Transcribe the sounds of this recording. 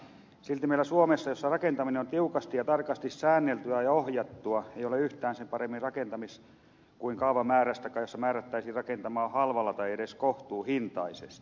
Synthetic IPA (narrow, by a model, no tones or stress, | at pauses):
silt̪imeilːˑæsuomesːɑjosːɑrɑkent̪ɑmineont̪iukɑst̪ijɑt̪ɑrkɑst̪issæːnːelt̪yæjɑohjɑt̪ːuɑeijoleyht̪æːnsempɑremːirrɑkent̪ɑmis | kuiŋkɑuʋɑmæːɾæst̪ækɑːjosːɑmæːɾæt̪ːæisirɑkent̪ɑmɑːhɑlʋɑlːɑt̪ɑiedeskoht̪uːhint̪ɑisḛst̪i̥